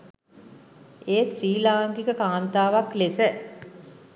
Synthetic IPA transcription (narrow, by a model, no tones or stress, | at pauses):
eːsɾiːlaːŋɡikəkaːnt̪aːʋaklesə